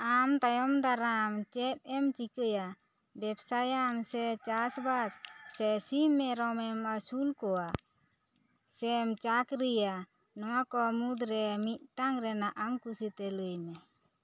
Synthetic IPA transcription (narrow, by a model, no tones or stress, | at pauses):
amt̪ajɔmd̪aɾamt͡ʃɛp̚ɛmt͡ʃikəja | bɛbsajamsɛt͡ʃasbassɛsimɛɾɔmɛmasulkɔwa | sɛmt͡ʃakɾija | nɔwakɔmud̪ɾɛmit̪̚ˀt̪aŋɾɛnaʔamkusit̪ɛləjnɛ